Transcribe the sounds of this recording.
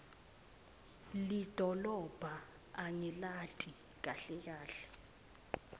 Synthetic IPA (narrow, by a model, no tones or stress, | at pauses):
lid̥ʱɔlɔb̥ʱa | aɲɛlatʼi | k̬ʼaɬɛk̬aːɬɛ̥